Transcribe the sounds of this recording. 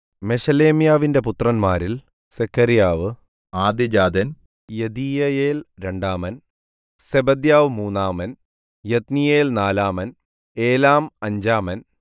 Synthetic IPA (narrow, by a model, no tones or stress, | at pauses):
me̞ɕɐle̞ːmijaːʋinde̞put̪rɐnmaːɾil | sekʰːɐɾjaːʋɨ | aːd̪id͡ʑaːd̪ɐn | jed̪iːjɐjeːlɾe̞ɳɖaːmɐn | sebɐd̪jaːʋɨmuːnːaːmɐn | jet̪nijeːlnaːlaːmɐn | eːlaːmɐɲd͡ʑaːmɐn